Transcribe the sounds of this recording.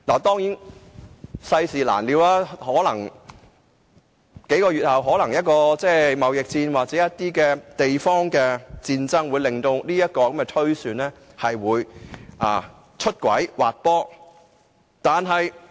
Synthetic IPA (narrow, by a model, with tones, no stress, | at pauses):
laː˨˩t̪ɔː˥ŋjiː˨˥n | sɐ˧jsiː˨˩la̰ː˨˩nliː˨˧wlaː˥hɔː˨˥lɐ˨˩ŋ | ke˨˥jkɔː˧jyː˨t̚hɐ˨wɦɔː˨˥lɐ˨˩ŋjɐ˥t̚kɔː˧t͡sɛː˥˩mɐ˨wjɪ˨k̚t͡siː˧nwaː˨k̚t͡sɛː˨˦˥jɐ˥t̚t̪iː˥kɛː˧t̪e˨jfɔː˥ŋkɛː˧t͡siː˧nt͡sɐ˥ŋwuː˨˧jlɪ˨˩ŋt̪o˧wniː˥jɐ˥t̚kɔː˧kɐ˨˦mkɛː˧t̪ʰɵ˥ɥsyː˨˧nlɛː˥ | hɐ˨jwuː˨˧jʔa̰ː˨˩ | t͡ʃʰɵ˥t̚kʷɐ̰˨˥jwa̰ː˨t̚pɔː˥ | t̪aː˨nɦɐ˨j